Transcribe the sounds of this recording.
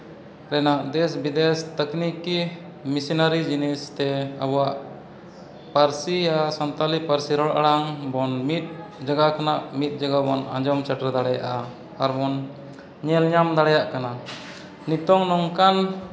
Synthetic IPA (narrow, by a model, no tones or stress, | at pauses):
ɾɛnaʔd̪ɛsbid̪ɛst̪əkniki | misinaɾid͡ʒinɛst̪ɛa̰bɔwaʔ | paɾsijasɔnt̪alipaɾsiɾɔɽʔa̰ɽaŋbɔnmit̪̚d͡ʒaɡakanaʔmit̪̚ˀd͡ʒaɡabɔna̰d͡ʒɔmt͡ʃaʈɾɛd̪aɽɛja̰ʔa | aɾbɔn | ɲɛlɲamd̪aɽajaʔkana | nit̪ɔŋnɔŋkan